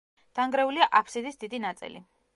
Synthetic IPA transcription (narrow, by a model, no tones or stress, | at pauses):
d̪̥aŋɡɾɛuliaʔapʰsid̪isd̪id̪inat̪sʼḭlḭ